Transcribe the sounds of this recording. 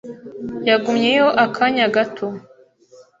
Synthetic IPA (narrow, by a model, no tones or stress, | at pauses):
jaɡumɲe̞joʔakʰaɲaɡatʰo